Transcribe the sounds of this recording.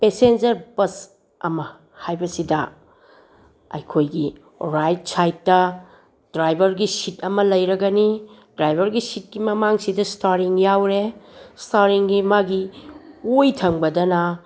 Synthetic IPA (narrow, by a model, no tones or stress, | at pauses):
pesend͡ʒɐɾbɐs | ɐ̰mɐ | hajbɐsidɐ | ɐ̰jkʰojɡi | ɾajt̚sajtːɐ | dɾajbʱɐɾɡisitʰɐmɐlɐjɾɐɡɐnidɾajbʱɐɾɡisit̚kimɐmaŋsidɐstaɾiŋjawɾestaɾiŋɡimaɡi | ojtʰɐŋbɐdɐnɐ